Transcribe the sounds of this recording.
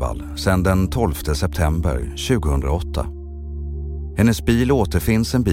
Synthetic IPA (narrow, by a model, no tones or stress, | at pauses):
a̰l | sɛnd̪ɛnt̪ʰɔlft̪ʰəsɛp̚t̪ʰɛmbə̰ɾɕʉ̟ːɡʊhɵnd̪ɾaɔt̪ʰːa̰ | hɛnːəsbiːloːt̪əɾfɪnsɛnbi